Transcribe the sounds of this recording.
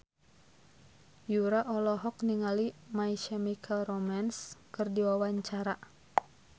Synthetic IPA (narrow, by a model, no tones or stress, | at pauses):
juɾaʔɔlɔɦɔk̚niŋalimaiʃɛmikʰalromanskɨrdiwawaɲt͡ʃaɾa